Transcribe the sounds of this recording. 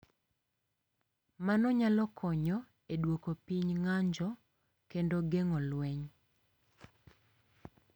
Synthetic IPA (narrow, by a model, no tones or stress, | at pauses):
manɔɲalɔkʰɔɲɔ | eɗwokopiɲŋaɲd͡ʒɔ | kendoɡeŋɔlwɛɲ